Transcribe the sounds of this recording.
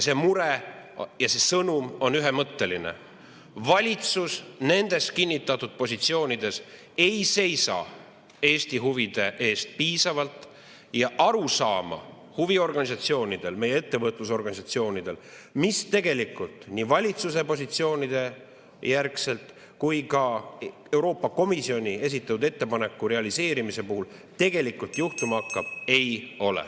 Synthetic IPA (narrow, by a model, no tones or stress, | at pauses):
se̞muɾejɑse̞sɤnumo̞nyɦe̞mɤt̪ːe̞line̞̰ | vɑlʲit̪susne̞nd̪̥e̞st̪kinʲːit̪ːˑɑt̪ːˑud̪̥̚po̞sit̪sio̞ːnʲid̪̥e̞s | e̞jse̞jsɑ̰ | e̞ːsʲt̪iɦuvid̪̥e̞ʔe̞ːst̪̚piːsɑvɑlt̪ | jɑʔɑɾusɑːmɑ̰ | huvio̞rɡ̥ɑnʲis̬ɑt̪sio̞ːnʲid̪̥e̞lme̞jeet̪ːe̞vɤt̪ˑluso̞rɡ̥ɑnis̬ɑt̪sio̞ːnid̪̥e̞l | mist̪e̞ɡe̞likːˑult̪ˑniːvɑlʲit̪suse̞po̞s̬it̪sio̞ːnʲid̪̥e̞ | jærkse̞lt̪ˑ | kujkɑ | e̞wɾo̞ːpːˑɑko̞misio̞nʲie̞s̬it̪ːˑɑt̪ud̪et̪ːe̞pɑne̞kːˑuɾe̞ɑlise̞ːɾimise̞puhult̪e̞ɡe̞likːult̪ˑjuht̪umɑɑkːɑb̥e̞jo̞lɛ̰